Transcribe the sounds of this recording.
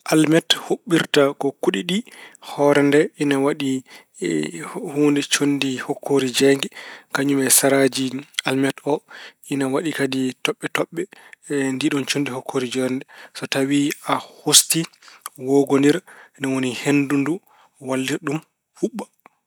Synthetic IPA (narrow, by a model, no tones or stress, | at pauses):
ʔalmɛthoɓːiɾtakɔkuɗiɗihɔɾɛndɛʔinawaɗi | huːndɛt͡ʃondihɔkʰːoɾid͡ʒɛŋɡɛkaɲumɛsaɾad͡ʒialmɛtɔʔinawaɗikaditɔɓːɛtɔɓːɛndiɗɔnt͡ʃondihɔkʰːoɾid͡ʒɔɾɛndɛsɔtawiahostiwɔɡoniɾnawonihendundu | walːiɗum | fuɓːa